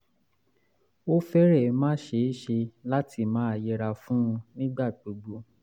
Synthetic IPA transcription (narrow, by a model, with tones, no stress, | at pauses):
o˦fɛ˦ɾɛ˦˨˧mãː˦ʃe˧˦ʃe˧la˦tʰi˧mãː˨˦a˧je˧ɾa˧fũ˦ũ˧nĩ˦ɡ͡ba˦˨k͡po˨ɡ͡bo˧˦